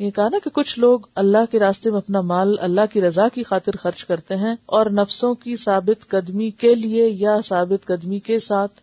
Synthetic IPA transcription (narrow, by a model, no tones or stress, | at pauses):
jɛkɐɦanakekʊt͡ʃʰloːɡɐlːaɦkeɾaːst̪emẽɐpnamaːlɐ̰lːaɦkiɾɐzakixaːt̪ɪɾxɐɾt͡ʃkɐɾt̪eɦɛ̃ɔːɾnɐfsõkisaːbɪt̪qɐd̪mikeliejasaːbɪt̪qɐd̪mikesaːt̪ʰ